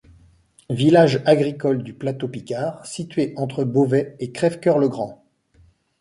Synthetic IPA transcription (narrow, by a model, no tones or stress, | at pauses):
vilaʒaɡʁikɔld̪yplat̪opikʲaʁsit̪ɥeʔɑ̃t̪χəbovɛekχɛfkʲœʁləɡʁɑ̃